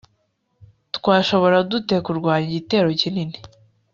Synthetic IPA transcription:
tkwaːʃo̞βo̞ɾadute̞kuɾɡwaːɲiɟite̞ːɾo̞cinini

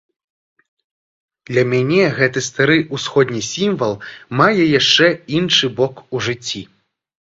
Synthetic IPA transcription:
d̪̥lʲɐmʲanʲɛɣɛt̪ɨst̪aɾɨusxɔd̪ʲnʲisʲimvɐlˠmajɛjaʂt͡ʂɛinʂɨbɔkuʐɨt͡sʲːi

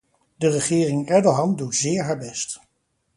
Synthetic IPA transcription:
dərəχɪːrɪŋɛɹdoɦɑmdutzɪːɹɦaːɹbɛst

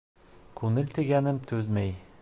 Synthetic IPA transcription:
kunɘlʲt̪iɡænɘmt̪ʰʉðmæj

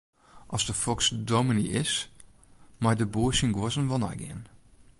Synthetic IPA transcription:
ʔɔsdəfɔksdominiɪs | majdəbuəsənɡwɔzənʋɔna̰jɡɪ̰ən

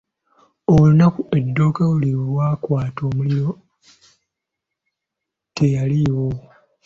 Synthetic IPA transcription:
owunakue̞dːo̞ːkawuliβwaːkwaːto̞ːmuliɾo̞ | te̞jaliwo̞

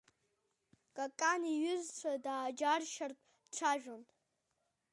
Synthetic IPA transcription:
kʼakʼaniɥʏzt͡ʃʷʰadaːd͡ʒarʃartʼ | ʈ͡ʂʷʰaʒᶣon

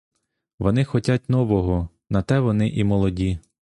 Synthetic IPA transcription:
ʋɔnɪxɔtʲatʲnɔʋɔɦɔ | nɐt̪ɛʋɔnɪʔimɔlˠɔdʲi

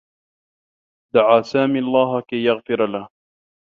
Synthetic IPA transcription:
d̪aʕaːsaːmiːɑlˤːɑːɦakajːaɣfɪɾalah

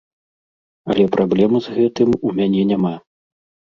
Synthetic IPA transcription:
ɐ̰lʲɛpɾʔablʲɛmɨzɣɛt̪ɨmumʲanʲɛnʲama

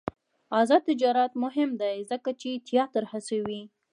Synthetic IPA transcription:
ɑzɑd̪̚t̪ɪd͡ʒɑɾat̪mʊɦɪmd̪ajzəkat͡ʃet̪jɑt̪əɾhasawi

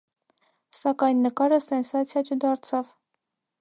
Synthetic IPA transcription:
sɑkɑjnːəkɑɾəsɛnsɑt͡sʰjɑt͡ʃʰəd̪ɑɾt͡sʰɑv

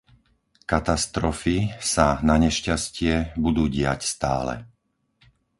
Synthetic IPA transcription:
kat̪ast̪ɾɔfisanaɲɛʃcascɪɛbud̪uːɟɪa̰cst̪a̰ːlɛ̰

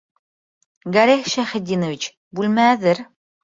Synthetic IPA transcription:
ɡɐɾehʃæχɘ̆d̪ʲinovit͡ɕ | bʉlmæðɘɾ

